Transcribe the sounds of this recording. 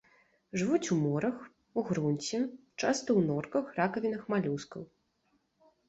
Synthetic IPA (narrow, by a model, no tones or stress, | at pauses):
ʐɨvut͡sʲumɔɾɐx | uɣɾunʲt͡sʲit͡ʂast̪ɐwnɔrkɐxrakɐvʲinɐxmalʲuskɐw